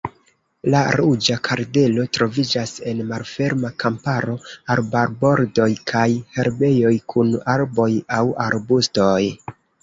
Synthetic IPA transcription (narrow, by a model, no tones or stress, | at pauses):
laɾud͡ʒakʰaɾde̞lo̞tɾo̞vid͡ʒase̞nmalfe̞ɾmakampaɾoaɾbaɾbo̞ɾdo̞jkʰajhe̞ɾbe̞jo̞jkʰunaɾbo̞jawaɾbusto̞j